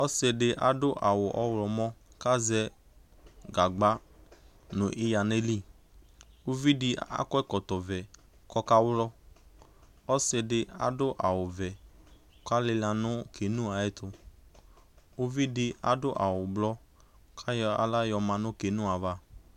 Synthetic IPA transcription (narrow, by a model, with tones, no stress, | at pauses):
ɔ˦sɛ˨dɪ˦ʔa̰˨˦dʊ˦ʔa˨wʊ˨ʔɔ˦wlɔ˨mɔ̃˦ | ka˦zɛ˦ | ɡa˨ɡ͡ba˦ | nʊ̃˨ʔɪ˦ja˨ne˦li˦˨ | u˦vi˦dɪ˨a̰˦kɔ˦ɛ˦kɔ˨t̪ɔ˨vɛ˨ | kɔ˦ka˦wlɔ˦ | ɔ˦sɛ˧dɪ˦a̰˦˨dʊ˦ʔa˨wʊ˨vɛ˨˦ | ka˦lɪ˧la˨nʊ̃˦kʰe˨nũ˦a˨ɛ˦t̪ʊ˦ | ʊ˦vi˦dɪ˦a̰˦dʊ˦ʔa˨wʊ˨blɔ˦ | kʰa˦ja̰˨la˦jɔ˨mã˨nʊ̃˦ke˨nũ˦a˨va˦